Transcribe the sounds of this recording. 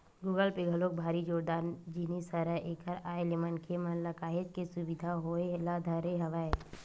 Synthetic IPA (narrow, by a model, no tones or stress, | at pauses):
ɡuːɡəlpeɡʱɐloːk̚bʱaːɾid͡ʒoːɾd̪aːnd͡ʒinisəɾəʔeːkʰəɾaːelimənkʰemɐnlɐkaːɦed͡ʒkesʊbɪd̪ʱaɦoelad̪ʱɐɾeɦɐʋaːe